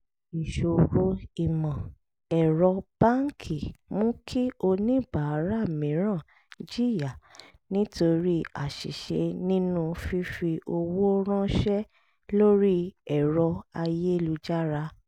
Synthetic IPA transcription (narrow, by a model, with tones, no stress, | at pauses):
i˨ʃo˨ɾo˦i˨mã˨ | ɛ˨ɾɔ˧b̥ã˦ŋ˦kʰi˨mũ˦kʰi˦o˧nĩ˦˨ba˨˦ɾa˦˨mĩ˨˦ɾ̃ã˦˨ | d͡ʒi˦˨ja˨ | nĩ˦to˧ɾi˦a˨ʃḭ˨ʃḛ˧˦nĩ˦nũ˦fi˦fi˧ʔo˧wo˦ɾ̃ã˦ʃɛ˦ | lo˦ɾi˦ɛ˨ɾɔ˧a˧je˦lu˧d͡ʒa˦ɾa˧